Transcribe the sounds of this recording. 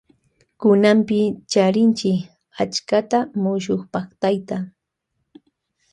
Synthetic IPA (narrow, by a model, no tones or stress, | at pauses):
kʊnampɪt͡ʃaɾɪnt͡ʃɪ | at͡ʃkat̪amʊʃoχpɑχt̪ajt̪a